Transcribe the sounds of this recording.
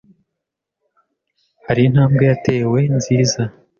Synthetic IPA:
haɾin̥haːmɡejate̞ːwe̞nziːza

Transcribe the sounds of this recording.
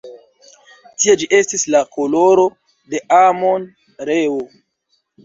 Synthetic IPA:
tied͡ʒiʔe̞stislako̞lo̞ɾo̞ | de̞ʔamo̞n | ɾeo

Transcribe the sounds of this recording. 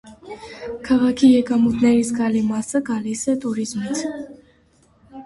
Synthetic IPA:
kʰɑʁɑkʰijɛkʼɑmut̪ʰnɛɾisʰɡɑlimɑsəɡɑlisɛt̪ʼuɾizmit͡sʰ

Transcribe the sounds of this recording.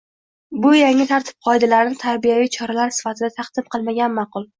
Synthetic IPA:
bʊjaŋːɪt̪ʰaɾt̪ʰɪ̥p̚qʰɒjd̪alaɾɪnɪt̪ʰaɾbijavijt͡ʃʰɒɾalaɾsɪ̥fat̪ʰɪd̪at̪ʰɑqd̪̥ɪmqʰɨlˠmaɡʲanmɑqʊlˠ

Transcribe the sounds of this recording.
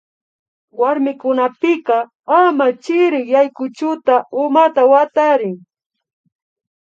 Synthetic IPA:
waɾmɪkʊnapɪkɑ | amat͡ʃɪɾɪχjajkʊt͡ʃʊt̪aʊmat̪awat̪aɾɪŋ

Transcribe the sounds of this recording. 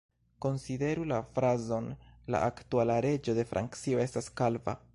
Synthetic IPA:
ko̞nside̞ɾulafɾazo̞nla̰ʔaktualaɾe̞d͡ʒo̞de̞fɾʔa̰ŋkt͡sio̞e̞staskalva̰

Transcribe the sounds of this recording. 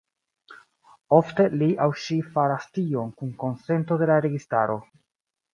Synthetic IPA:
ofte̞liʔawʃifaɾastio̞nkunko̞nse̞nto̞de̞laɾe̞ɡistaɾo̞

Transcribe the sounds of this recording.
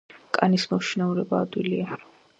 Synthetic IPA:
kʼanismɔʃinauɾɛbaːd̪wilia

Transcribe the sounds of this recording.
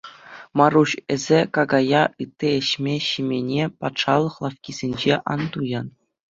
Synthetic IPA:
mɑruɕɘ̆zʲekɑɡɑjɑʔɯt̪ʲːiĕɕmʲeɕimʲenʲepɑt̪ʂɑlˠːɤ̆χlˠɑfkʲizʲenʲd͡ʑeʔɑ̰nd̪ujɑn

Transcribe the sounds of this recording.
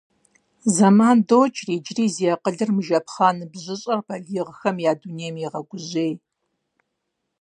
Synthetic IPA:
zɐmaːndoːt͡ʃʰʼriːd͡ʒriːzijɐqəɮɨrmɨʒɐpχaːnɨbʑɪɕʼɐrpʰɐɮiːʁəxɐmjaːduːneːjmjiʁɐɡʷʊʑeːj

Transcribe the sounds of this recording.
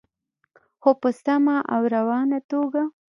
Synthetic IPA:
xopəst̪amaʔa̰wɾawɑnat̪oɡa

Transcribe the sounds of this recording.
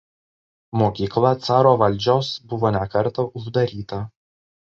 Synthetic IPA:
moːkʲiːklˠɐt̪sɑːɾoːʋɐlʲˑd͡ʒʲoːsbʊʋoːnʲɛkɐɾt̪ɐʔʊʒd̪ɐɾʲiːt̪ɐ

